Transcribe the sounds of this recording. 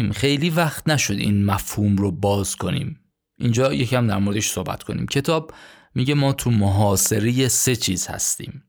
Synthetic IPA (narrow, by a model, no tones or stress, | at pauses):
mxe̞jliːvæχt̪næʃo̞d̪ḭːnmæfhuːmrobɒːzkʰo̞nḭːm | ʔind͡ʒɒːjecʰːæmd̪æɾmo̞ɾeeʃso̞hbæ̰t̪kʰo̞nḭːmcʰe̞t̪ʰɒːb̚ | miɟe̞mɒːt̪ʰumoɦɒːse̞ɾejese̞t͡ʃʰiːz̥hæ̰st̪ḭːm